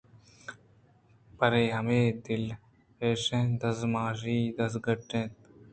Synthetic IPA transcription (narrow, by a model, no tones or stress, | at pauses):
pɐɾeːɦɐmeːd̪ɪl | peːʃẽːd̪ɐsmaːʃiːd̪ɐs̬ɡɐʈːẽːt̪